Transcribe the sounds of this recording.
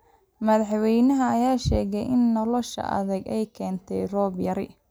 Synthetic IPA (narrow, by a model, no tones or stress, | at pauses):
mɐðɑħwɛjnɐɦɐɐjaːʃɛːɣɛjʔɪnːɔlɔʃɐ̰ʔɐ̰ðɐɡɛjkʰɛːnt̪ʰɛjrɔːbjɐɾɪ̰